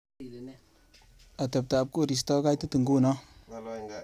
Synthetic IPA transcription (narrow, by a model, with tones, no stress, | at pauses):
a˨te˨p̚ta˨a˨p̚ku˦˨ɾi˨s̬tɔ˦ɡa˦jtə˦tə˨ŋɡu˦nɔ˦